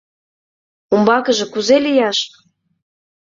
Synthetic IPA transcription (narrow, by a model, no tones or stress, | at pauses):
umbɑkə̆ʒɤ̆kuzelijɑʃ